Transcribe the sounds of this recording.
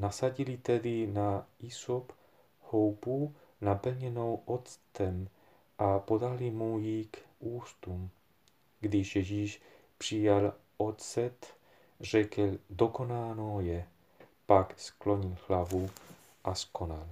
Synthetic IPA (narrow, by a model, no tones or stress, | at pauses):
nasaɟilit̪ɛd̪inaisop | howpu | napl̩ɲɛnowʔot̪t͡st̪ɛm | ʔapod̪alimujikuːst̪um | ɡd̪ɪʃjɛʒiːʃ | pr̝̥ijalʔot̪sɛt̪ | r̝ɛkɛld̪okonaːnojɛ | pakskloɲilhlavu | ʔaskonal